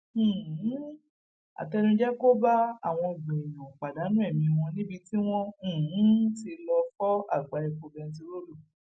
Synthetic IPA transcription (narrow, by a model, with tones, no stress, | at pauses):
a̰˨tɛ˧nũ˧d͡ʒɛ˦ko˦ba˦a˦˨w̃ɔ̃˧i˨ɡ͡bẽ˨ɛ˨jɔ̃˨k͡pa˨da˨˦nũ˦ɛ˦˨mĩ˧w̃ɔ̃˧nĩ˦bi˧ti˦w̃ɔ̃˦˨˦ti˧lɔ˧fɔ˦a̰˦˨ɡ͡ba˨˧ɛ˧ko˧bɛ˧n̩˧t̬i˧ɾo˦lu˦˨